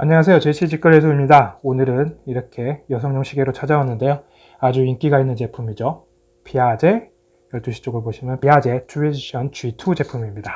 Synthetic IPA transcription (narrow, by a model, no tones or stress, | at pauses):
maɲːʌŋas̬ʰe̞jot͡ɕeɕʰit͡ɕik͈ɯɾɦes̬ʰoimɲidaonɯɾɯniɾʌkʰe̞jʌsʰʌŋɲʌŋɕʰiɡe̞ɾot͡ɕʰad͡ʑawanːɯnde̞jo | ad͡ʑuink͈iɡainːɯnt͡ɕe̞pʰumid͡ʑo | pʰiad͡ʑe̞ | jʌɭt͈uɕʰi̥t͡ɕ͈oɡɯɭboɕʰimjʌnpiad͡ʑe̞tʰued͡ʑiɕʰʌnt͡ɕuitʰud͡ʑe̞pʰumimɲida